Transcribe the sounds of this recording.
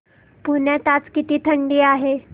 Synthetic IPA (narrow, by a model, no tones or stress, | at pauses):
puɳjat̪at͡skit̪iːt̪ʰəɳɖiːaɦe